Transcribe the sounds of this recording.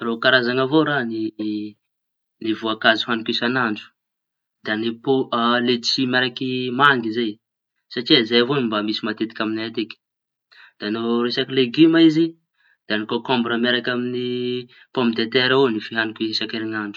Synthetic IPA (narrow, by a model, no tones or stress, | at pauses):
rokaɾazaŋavoɾani | nivuakazuɦanikisanaɳɖ͡ʐu̥ | d̪anipolet͡simaɾakimaŋɡizaj | saʈ͡ʂiazajavonimbamisimat̪et̪i̥kʲaminaat̪ekʲi̥ | d̪̥anoɾesakileɡimaizi | d̪̥anikokɔmbɾəmaɾakʲamini | pompid̪et̪eɾaonifiɦanikiesakeɾinaɳɖ͡ʐu̥